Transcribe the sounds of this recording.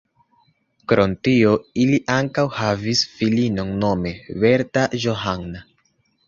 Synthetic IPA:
kɾo̞ntio̞iliʔaŋkawhavisfilino̞nno̞me̞ve̞ɾtaʒoɦaŋna

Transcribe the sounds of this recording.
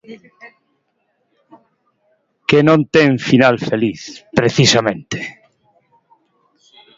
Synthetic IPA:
kenõnt̪eŋfinalfeliθpɾeθisamẽnt̪e̥

